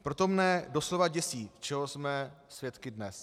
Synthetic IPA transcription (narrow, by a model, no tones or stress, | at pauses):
pɾo̞t̪o̞mnɛdo̞slo̞vaɟɛsiːt͡ʃɛɦosmɛsvjɛt̪kɪdnɛs